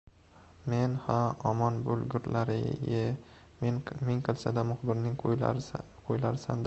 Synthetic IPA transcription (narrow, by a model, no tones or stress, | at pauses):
menhaɒmɒnbʊlˠɡʲʊɾlaɾɪ̰jɪ | mɪŋqʰɨlˠsad̪amʊχbɪɾnɪŋ | qʰojlaɾɪsa̰nd̪